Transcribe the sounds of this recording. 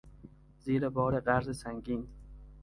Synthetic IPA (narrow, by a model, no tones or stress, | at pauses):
ziːɾɛbɒːɾeɢaɾzɪsaŋɡiːn